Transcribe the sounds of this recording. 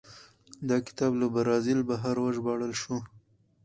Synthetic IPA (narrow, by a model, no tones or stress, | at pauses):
d̪akɪ̥t̪ɑbləbaɾɑzɪlbaɦaɾwaʒbɑɽəlʃu